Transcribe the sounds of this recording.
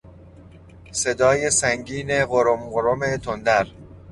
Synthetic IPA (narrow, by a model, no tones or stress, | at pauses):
se̞d̪ɒːje̞sæŋɡiːne̞ɣoɾomɢoɾomet̪ʰond̪æɾ